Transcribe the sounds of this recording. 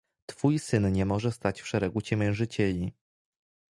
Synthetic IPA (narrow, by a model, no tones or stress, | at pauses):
t̪fujsɘnɲɛmɔʐɛst̪at͡ɕfʂɛɾɛɡut͡ɕɛmʲjɛ̃w̃ʐɘt͡ɕɛlʲi